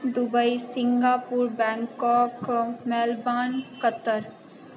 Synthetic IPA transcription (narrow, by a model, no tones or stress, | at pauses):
d̪ʊbəisɪ̃ŋɡaːpuːɾbɛ̃ːŋkɔːkmɛːlbaːnkət̪ːəɾ